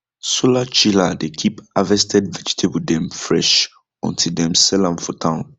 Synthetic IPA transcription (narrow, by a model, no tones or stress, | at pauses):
solat͡ʃiladekʰipavɛstʰɛdvɛd͡ʒi̥tʰebudɛ̃mfɹɛʃ | ɔ̰̃ntʰildɛ̃msɛlãnfɔtʰãʊ̃n